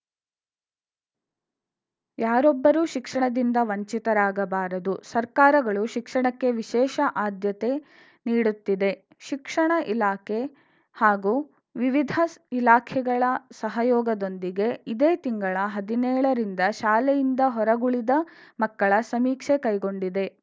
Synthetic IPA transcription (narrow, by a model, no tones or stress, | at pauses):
jaːɾɔbːɐɾuːʃikʂɐɳɐd̪ind̪ɐʋɐɲt͡ʃit̪ɐɾaːɡɐbaːɾɐd̪usɐɾkaːɾɐɡɐɭuʃikʂɐɳɐkːe̞ʋiʃɛːʃɐʔaːd̪jɐt̪e̞ | niːɽut̪ːid̪e̞ | ʃikʂɐɳɐʔilaːkʰe | haːɡuː | ʋiʋid̪ʱɐilaːkʰɛɡɐɭɐsɐɦɐjɔːɡɐd̪o̞nd̪iɡe̞id̪eːt̪iŋɡɐɭɐɦɐd̪inɛːɭɐɾind̪ɐʃaːlɛjind̪ɐɦɔɾɐɡuɭid̪ɐmɐkːɐɭɐsɐmiːkʂekɐjɡo̞ɳɖid̪e̞